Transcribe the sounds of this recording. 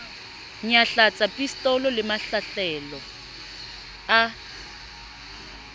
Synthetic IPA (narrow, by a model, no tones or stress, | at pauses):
ɲaɬat͡sʼapʼistʼɔlɔlɪmaɬaɬɛlɔ | a